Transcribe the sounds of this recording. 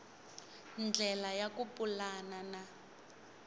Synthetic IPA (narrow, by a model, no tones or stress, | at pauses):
nd͡ɮʱɛlajakupʼulanana